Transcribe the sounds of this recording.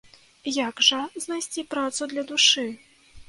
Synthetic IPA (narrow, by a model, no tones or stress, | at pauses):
jaɡʐɐznajsʲt͡sʲipɾat̪sud̪lʲɐd̪uʂɨ